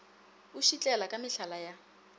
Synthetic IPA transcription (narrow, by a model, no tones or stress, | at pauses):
uʃit͡ɬʼɛlakʼamɪɬalaja